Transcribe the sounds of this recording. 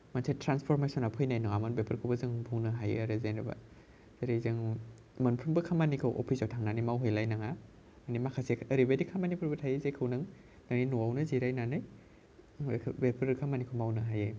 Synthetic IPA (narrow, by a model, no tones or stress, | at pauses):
mansʰetɾanspʰɔɾmesɔnapʰɯjnajnɔŋamɯnbepʰɯɾkʰɯwbɐzɯŋbuwnɯɦajḛaɾɯzenɾɯba̰ | z̥eɾezɯŋ | mɐnpʰɾumbɐkʰamanikʰɐwʔɔ̰pʰisawtʰaŋnanɯjmawɦɯjlajnaŋa | animakʰaseɐɾibadikʰamanipʰuɾbɐtʰajezekʰɯwnɯŋ | naŋninuwawnɯziɾajnanɯj | bepʰɯɾkʰamanikʰowmawnɯɦaje